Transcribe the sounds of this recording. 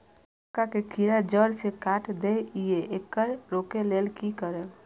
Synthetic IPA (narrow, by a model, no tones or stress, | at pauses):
kakekʰiːɾad͡ʒəɾsekaːʈd̪eijeʔekːəɾɾoːkeleːlkikəɾe